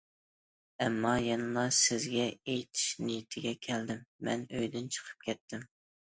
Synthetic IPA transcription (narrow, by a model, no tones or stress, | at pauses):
ɛmːɑjɛnɨlˠɑsɪzɡʲɛejt̪ʰi̥ʃnijit̪ʰɪɡʲɛkʲʰɛld̪ɪmːɛ̰nøjd̪ynt͡ʃʰə̥qʰə̥p̚kʲʰɛt̪ʰːɪm